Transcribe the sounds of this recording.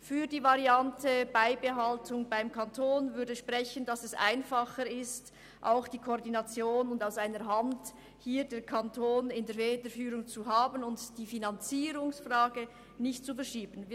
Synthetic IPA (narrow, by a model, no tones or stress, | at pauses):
fyːdiːvaʁiantʰəb̥aɪbəɦaltʰʊŋbaɪmkʰantʰoːnvʏɐɾdəʃpʁɛçənd̥ɑsɛsʔa̰ɪnfɑχəɾɪst | ʔa̰ʊxd̥iːkʰoːʁdinɑt͡sjoːnʊndaʊsaɪnəɾɦant | hiːdeːɾkʰantʰoːnɪndeːɾveːdəfyːɾʊŋt͡suɦaːbənʊntd̥iːfinɑnt͡siːɾʊŋsfraːɡə | nɪçt̚t͡sufɛɐɾʃiːbənviː